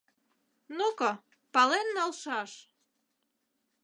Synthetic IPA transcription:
nuko | pɑlenːɑlʃɑʃ

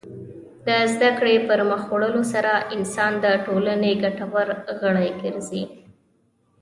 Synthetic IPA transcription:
d̪əzd̪akɽepəɾməxoɽəlosaɾaʔɪnsɑnd̪əʈolaneɡaʈawaɾɣəɽajɡəɾzi

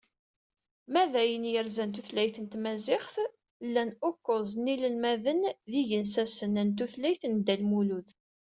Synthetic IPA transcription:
mæðæjənjəɾzænt̪uθlæjθənt̪mæzɪχθ | lːænʊkːozˤnilənmæðənðiʝənsæsənːænt̪uθlæjθənd̪ælmuluð

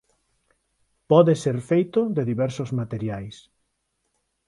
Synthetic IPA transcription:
pɔðeseɾfejt̪ʊðeðiβɛɾsozmat̪eɾjajs

